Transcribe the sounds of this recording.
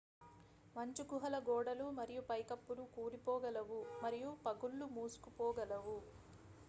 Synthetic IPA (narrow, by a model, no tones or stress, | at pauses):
mɐɲt͡ʃukuɦɐlɐɡɔːɽɐlumɐɾijupɐjkɐpːulukuːɾipɔːɡɐlɐʋumɐɾijupɐɡulːumuːsu̥kupɔːɡɐlɐʋu